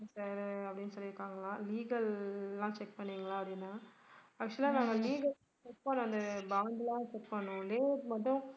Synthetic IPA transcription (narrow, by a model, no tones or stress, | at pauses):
saːɾɐpːɐɽɪnːɯsɔlːɪɾɯkːaːŋɡɐlãːliːɡɐlːãːt͡ʃɛk̚pɐɳːiːŋɡɐlãːɐpːɐɽɪnːaː | ɐkt͡ʃɐliãnãːŋɡɐliːɡɐl | t͡ʃɛk̚pɐnːʊ̃ɐnd̪ɐbaːɳɖlãːt͡ʃɛkpɐɳːʊ̃leːmɐʈːʊ̃